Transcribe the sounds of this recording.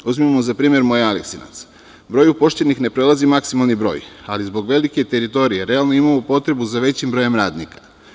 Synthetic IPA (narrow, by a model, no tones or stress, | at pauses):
uzmimozapɾiːmje̞ɾmo̞jealeksina̰t̪s | bɾo̞ːjupo̞ʃt̪enixne̞pɾe̞lˠazimaksimalˠnibɾo̞̰ːjalizbo̞ɡʋe̞like̞t̪eɾit̪o̞ɾije̞ɾe̞alˠnoimamopo̞t̪ɾe̞buzaʋe̞t͡ɕimbɾo̞je̞mɾaːd̪nikḁ